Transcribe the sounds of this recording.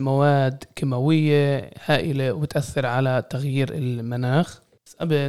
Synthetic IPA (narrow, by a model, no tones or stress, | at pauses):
mawaːd̪kɪmawɪjːehaːʔɪlewbɪt̪ʔaθːɪɾʕalat̪aɣjiːɾɪ̰lmanaːx | sʔabɪ